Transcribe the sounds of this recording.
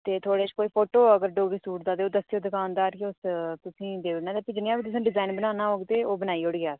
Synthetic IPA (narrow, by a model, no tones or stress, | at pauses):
t̪eːt̪ʰoːɽeːt͡ʃkoːiːpʰoːʈoːəɡəɾɖoːɡiːsuːʈd̪aːd̪eːoːd̪əsoːd̪əkaːʊ̃nd̪aːɾkeʊst̪ʊsĩːd̪eːʋnaːd̪eːpid͡ʒɪnːaːbiːt̪ʊsãːɖɪzaːinbənaːnaːɦoːɡt̪eːoːbənaːiːʊɽɡɪaːs